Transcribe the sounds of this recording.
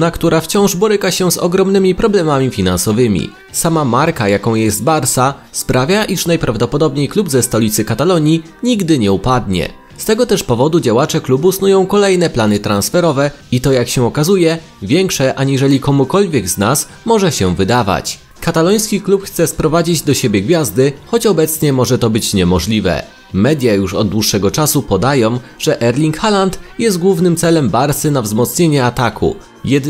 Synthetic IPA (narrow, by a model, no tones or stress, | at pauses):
nakt̪uɾaft͡ɕɔ̃w̃ʐbɔɾɘkaɕɛzɔ̰ɡɾɔmnɘmʲipɾɔblɛmamʲifʲinansɔvɘmʲḭ | samamaɾkajakɔ̃w̃jɛst̪̚baɾsaspɾavʲjaʔiʂnajpɾavd̪ɔpɔd̪ɔbɲejklubzɛst̪ɔlʲit̪sɘkat̪alɔɲi | ɲiɡd̪ɘɲɛupad̪ɲɛ̰ | st̪ɛɡɔt̪ɛʂpɔvɔd̪ud͡ʑawat͡ʂɛklubusnujɔ̃w̃kɔlɛjn̪ɛplanɘt̪ɾãnsfɛɾɔvɛit̪ɔjakɕɛɔkazujɛ | vʲjɛŋkʂɛʔaɲiʐɛlʲikɔmukɔlvʲjɛɡznas | mɔʐɛɕɛvɘd̪ava̰t͡ɕ | kat̪alɔj̃skʲiklupxt̪sɛspɾɔvad͡ʑid͡ʑd̪ɔɕebʲjɛɡvʲjazd̪ɘxɔt͡ɕɔbɛt̪sɲɛmɔʐɛt̪ɔbɘt͡ɕɲɛmɔʐlʲivɛ̰ | mɛd̪ʲjajuʂɔd̪̚d̪wuʂːɛɡɔt͡ʂasupɔd̪ajɔ̃w̃ʐ̥ɛʔɛɾlʲiŋkxalant̪jɛst̪̚ɡwuvnɘmt̪sɛlɛmbaɾsɘnavzmɔt̪sɲeɲɛat̪akʰṵ | jɛd̪